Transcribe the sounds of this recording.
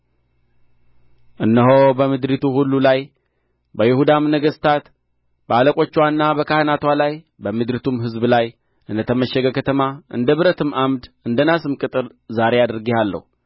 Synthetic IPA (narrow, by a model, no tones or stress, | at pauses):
ʔɨnːəɦobəmɨd̪ɾit̪ʰuhulːulaj | bəjɪhud̪amnəɡəst̪ʰat̪ | b̥əaləkʼo̞t͡ʃːwanːabəkahɨnat̪walaj | bəmɨd̪ɾit̪ʰumɦɨzblaj | ʔɨnd̪ət̪ʰəməʃːɛɡəkʰət̪ʰəmaʔɨ̰nd̪əβɨɾət̪ʰɨmamd̪ɨnd̪ənasɨmkʼɨt̪ʼɨɾ | zaɾe̞ad̪ɾɡihalːə̰hu